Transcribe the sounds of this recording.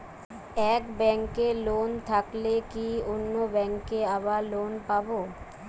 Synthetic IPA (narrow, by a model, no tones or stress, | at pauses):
ɛkbɛŋkelont̪ʰaklekionːobɛŋkeaβaɾlonpabo